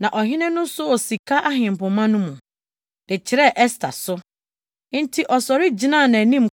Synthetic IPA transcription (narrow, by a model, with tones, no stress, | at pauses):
nã˨ʔɔ˨ɦɪ̃˦nɪ̃˦nʊ̃˦sʊ˦ɔ˨si˨kʰa˦ʔa˦ɦɪ̃˨m˨pʊ̃˨mã˦nʊ̃˦mũ˨ | dɪ˨t͡ɕʰɪ˨ɾɛ˦ʔɛ˦stʰa̰˨sʊ˦ | n̩˦tʰi˨ʔɔ˨sɔ˨ɾɪ˦d͡ʑi˨nã˦˨nã˨nĩ˦m˨